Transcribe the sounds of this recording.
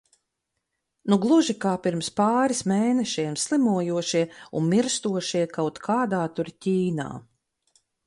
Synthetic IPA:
nuɡlˠuʒikaːpiɾmspaːɾismeːnɛʃiɛmslˠimuɔjuɔʃiɛunmiɾst̪uɔʃiɛkawt̪kʰaːd̪aːt̪uɾcʲiːna̰ː

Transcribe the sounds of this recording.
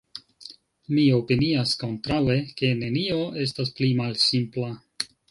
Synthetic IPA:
mio̞piniasko̞ntɾawe̞ke̞ne̞nio̞e̞s̬tasplimalsimpla

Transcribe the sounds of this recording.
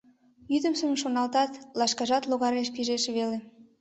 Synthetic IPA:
jyd̪ə̆msəmʃonɑlt̪ɑt̪lɑʃkɑʒɑt̪loɣɑɾeʃpiʒeʃβele

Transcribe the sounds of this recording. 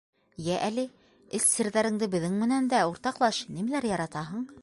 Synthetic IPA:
jæʔælɘ | ɘsːɘ̆ɾðæɾɘ̆ŋd̪ɘbɘ̆ðɘŋmɘ̆nænd̪æuɾt̪ɑqlˠɑʃnimælæɾjɑɾɑt̪ɑɦɤ̆ɴ

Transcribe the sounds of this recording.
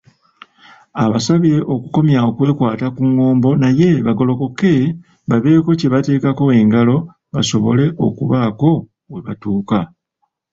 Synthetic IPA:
aβasaβiɾe̞ʔo̞kuko̞mjaokwe̞ːkwaːtakuŋːo̞ːmbo̞naje̞βaɡo̞lo̞ko̞ke̞ | βaβe̞ːko̞ce̞βate̞ːkako̞e̞ŋɡalo̞ | βaso̞βo̞le̞ʔo̞̰kuβako̞ | weβatuːka

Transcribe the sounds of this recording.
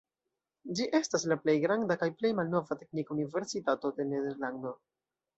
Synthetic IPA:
d͡ʒiʔe̞staslaple̞jɡɾandakajple̞jmalno̞vate̞knikunive̞ɾsitato̞de̞ne̞de̞ɾlando̞

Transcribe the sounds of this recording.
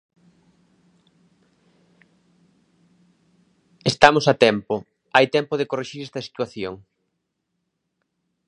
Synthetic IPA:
est̪amosat̪ɛmpo | ajt̪ɛmpoðekoreʃiɾɛst̪ɐsi̥t̪waθjoŋ

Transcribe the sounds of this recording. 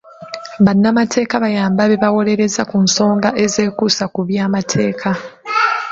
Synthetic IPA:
βanːamatʰe̞ːkaβajaːmbaβe̞βawo̞le̞ɾe̞zakunso̞ːŋɡaʔe̞ze̞ːkusakuβjaːmatʰe̞ːkʰa

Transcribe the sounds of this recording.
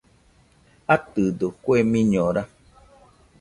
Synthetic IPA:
at̪ɨd̪okʷemĩɲɔ̃ɾa

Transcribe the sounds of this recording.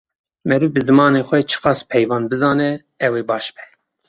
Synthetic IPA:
mɛɾɨvbɨzɨmɑːneːxʷɛt͡ʃʰɨ̥qɑːspʰɛjvɑːnbɨzɑːnɛ | ɛweːbɑːʃbɛ̥

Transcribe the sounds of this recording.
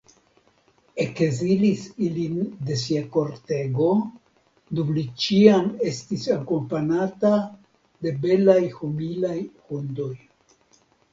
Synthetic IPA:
e̞kzilisilinde̞s̬iako̞ɾte̞ɡo̞ | dumlit͡ʃiame̞stisakompanata | de̞be̞lajhumilajhundo̞j

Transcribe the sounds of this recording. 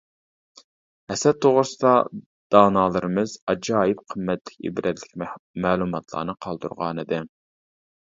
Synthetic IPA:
hɛsɛt̪ʰːoʁɾɨsɨd̪ɑ | d̪̥ɑːnɑːlˠɨɾɨmɨzɑd͡ʒɑːjɪp̚qʰəmːɛt̪lɪkʲḛbɾʔɛd̪lɪk̚ʲmæːlˠumɑt̪ʰlˠɑ̰ːnɨqʰɑlˠd̪ṵɾʁɑ̰ːnɨd̪ɨ

